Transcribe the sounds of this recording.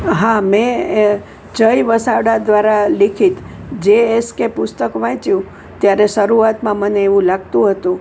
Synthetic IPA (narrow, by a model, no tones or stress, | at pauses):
ɦãmɛ̃ | d͡ʒəjʋəsaʋɽad̪ʋaɾalikʰit̪ | d͡ʒeeskepʊst̪əkʋãt͡ʃjũ | t̪jaɾeʃəɾuat̪mãməneːʋũlaɡt̪ũɦət̪ũ